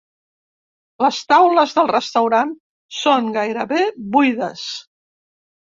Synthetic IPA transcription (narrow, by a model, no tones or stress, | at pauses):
ləst̪awləzðəlˠrəst̪əwɾan | soŋɡajɾəβeβujðəs